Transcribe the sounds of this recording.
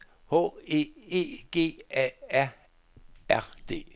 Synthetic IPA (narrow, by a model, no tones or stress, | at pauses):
ho̰ːe̝e̝̰ːɡ̥e̝̰ːɛæɐ̰ | æɐ̰d̥e̝̰ː